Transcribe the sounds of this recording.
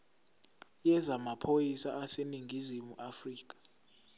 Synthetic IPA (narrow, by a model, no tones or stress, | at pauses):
jɛzamapʰojisaaseniŋɡʱizimuʔafriːk̬ʼḁ